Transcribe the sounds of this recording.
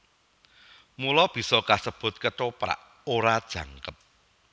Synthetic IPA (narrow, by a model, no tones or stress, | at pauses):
mulɔb̥i̤sɔkasəb̥ʊ̤t̪̚kəʈopɾa̰ʔ | oɾad̥ʒ̥ä̤ŋkəp̚